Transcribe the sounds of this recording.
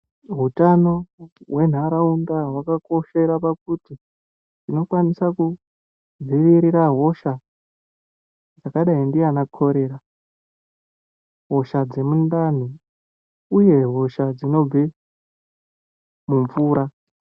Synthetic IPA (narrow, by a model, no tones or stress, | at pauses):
ɦutano̞ɦwe̞n̤aɾaundaɦwakako̞ʃe̞ɾapakuti | ndino̞kwanisaku | d͡ziʋiɾiɾaɦo̞ʃa | d͡zakaɗaindianakʰo̞ɾe̞ːɾa | ɦo̞ʃad͡ze̞mundan̤u | uje̞ɦo̞ʃad͡zino̞b͡ve | muɱvuːɾa